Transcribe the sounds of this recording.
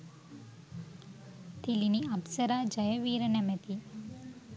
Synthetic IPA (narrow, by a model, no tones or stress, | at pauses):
t̪ʰiliniabsəɾad͡ʒəjəʋiɾənemet̪ʰi